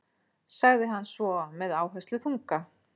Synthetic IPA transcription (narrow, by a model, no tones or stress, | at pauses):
saɣðɪɦanːsvɔmɛðaːwɦɛst̪lʏθuŋka